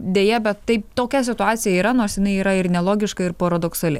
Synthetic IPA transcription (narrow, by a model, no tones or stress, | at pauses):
d̪ʲeːjɛbʲɛt̪t̪ɐɪp̚t̪oːkʲɛsʲɪt̪ʊaːt̪sʲɪjɛiːɾɐnoːrsjɪnɐɪiːɾɐɪɾnʲɛlˠoːɡʲɪʃkɐɪɾpoːɾɐd̪oːksɐlʲɪ̰